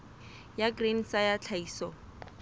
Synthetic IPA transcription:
jaɡrin̩sajat͡ɬʰaiːsɔ

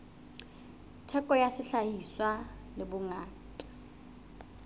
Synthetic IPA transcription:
tʰɛkʼɔjasɪɬahiswalɪbʊŋaː | tʼḁ

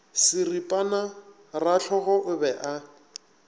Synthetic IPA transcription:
sɪripʼana | raɬʰɔɣɔʔʊbɛʔa

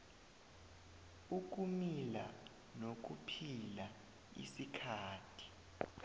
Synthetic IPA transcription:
uk̬umila | nok̬upʰila | ḭsikʰaːtʰi̥

